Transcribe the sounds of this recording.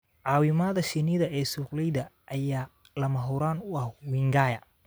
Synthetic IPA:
ʕɑːwɪmaðɐʃɪnɪðɐʔɛːsuːqlɛjðɐʔɐjaː | lɐmɐɦʊɾaːnʊɐhwiŋɡaːjɐ

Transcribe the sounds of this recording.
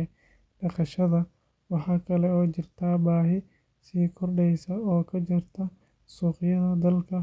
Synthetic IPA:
ɖɐχɑʃɐðɐ | wɑħɑːkʰɐlɛɔːt͡ʃɪrt̪ʰaːbaːɦɪ | siːkʰɔrɖɛjsɐɔːkʰɐt͡ʃɪrt̪ʰɐ | suːqɪjɐðɐd̪ɐlkʰɐ

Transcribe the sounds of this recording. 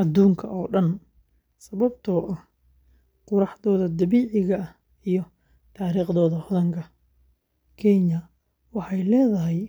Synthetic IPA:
ʔɐd̪uːŋkʰɐʔɔːɖɐn | sɐβɐbt̪ʰɔːʔɐh | qʊɾɑħðɔːðɐd̪ɐβiːʕɪɣɐ | ijɞ | t̪ʰaːɾiːχd̪ɔːðɐhɔðɐŋkʰɐ | kʰɛɲɐ | wɑħɑjlɛːðɐɦɛj

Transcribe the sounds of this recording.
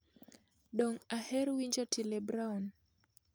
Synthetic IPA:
ɗɔŋahɛɾwind͡ʒɔtʰilɛbɾawn

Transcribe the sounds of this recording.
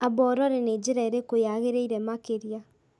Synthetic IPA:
abɔɾɔɾened͡ʒiɾaeɾekojaɣeɾeiɾɛmakeɾja

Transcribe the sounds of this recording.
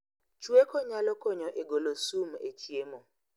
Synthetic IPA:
t͡ʃuekʰɔɲalɔkɔɲɔʔeɡolosum̩et͡ʃiemo

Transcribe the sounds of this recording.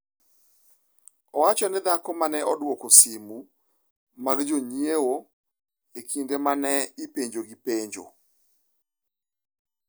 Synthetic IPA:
ɔwat͡ʃɔnɪd̪akɔmanɛʔɔdwokosimu | maɡd͡ʒoɲjewo | ekʰindemanɛɪpeɲd͡ʒoɡipeɲd͡ʒo̰

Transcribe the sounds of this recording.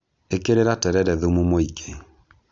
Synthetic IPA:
ekeɾeɾatɛɾɛɾɛðomumoikʰe

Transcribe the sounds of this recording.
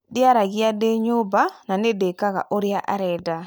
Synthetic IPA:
dɪaɾaɡɪadeɲobananedekaɣa̰ʔoɾjaʔa̰ɾɛda

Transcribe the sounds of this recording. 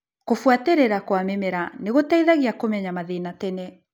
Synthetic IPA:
kofwateɾeɾakwamemeɾaneɣotaiðaɣiakomɛɲamaðenatɛnɛ

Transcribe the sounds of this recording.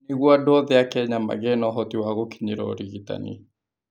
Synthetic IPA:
neɣwadɔðɛakɛɲama̰ɣɛnɔɦɔtiwaɣokiɲeɾɔ̰ɾiɣita̰nḭ

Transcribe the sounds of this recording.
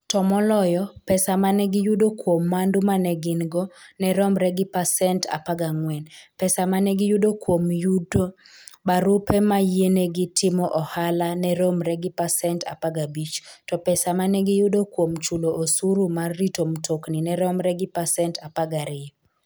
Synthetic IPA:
tɔmɔlɔjɔpɛsamanɛɡɪjudokwomːandumanɛɡɪnɡɔnɛɾɔmɾɛɡɪpasɛnta̰paɡaŋwɛnpɛsamanɛɡɪjudokwomjudo | baɾʊpɛmajeneɡɪtʰɪmɔʔɔhalanɛɾomɾɛɡɪpasɛnta̰paɡabit͡ʃtɔpɛsamanɛɡɪjudokwomt͡ʃuloʔosuɾumarːitomtʰokninɛɾɔmɾɛɡɪpasɛntapaɡaɾɪ

